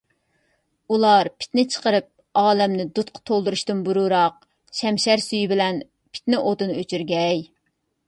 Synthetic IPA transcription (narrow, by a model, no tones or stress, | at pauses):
ulˠɑɾpʰɪ̥t̪nɪt͡ʃʰə̥qəɾɨp̚ | ɑːlɛmnɪd̪ut̪̚qʰɑ̥t̪ʰolˠd̪uɾuʃt̪ɨnbuɾuɾɑq̚ | ʃɛmʃɛɾsyjbɪlɛn | pʰɪ̥t̪nɪʔot̪ɨnøt͡ʃʰyɾɡʲɛj